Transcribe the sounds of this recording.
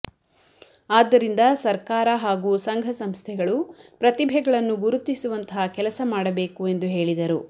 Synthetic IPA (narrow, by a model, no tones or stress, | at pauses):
aːd̪ːɐɾind̪ɐsɐɾkaːɾɐɦaːɡuːsɐŋɡʱɐsɐmst̪ʰɛɡɐɭupɾɐt̪ibʱɛɡɐɭɐnːuɡuɾut̪ːisuʋɐnt̪ɐɦɐkɛlɐsɐmaːɽɐbe̞ːkue̞nd̪uɦe̞ːɭid̪ɐɾu